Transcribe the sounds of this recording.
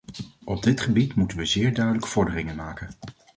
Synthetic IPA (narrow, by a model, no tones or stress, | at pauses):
ʔɔb̚dɪtχəbitmutənʋəzɪːɹdœɥdələkə̥v̥ɔɹdərɪŋənmaːkən